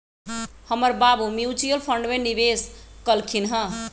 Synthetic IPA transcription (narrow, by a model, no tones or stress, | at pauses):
həməɾbabumjut͡ʃujəlpʰəɳɖmenibeskəlkʰinɦə̃